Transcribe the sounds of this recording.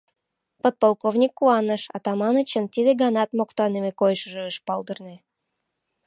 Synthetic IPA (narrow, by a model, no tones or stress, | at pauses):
pot̪̚polˠkovnʲikːuɑnəʃɑ̰t̪ɑmɑnət͡ɕənt̪ʲid̪eɡɑnɑt̪mokt̪oɑnɨmʲekojʃəʒəːʃpɑlˠd̪ɤrnɨ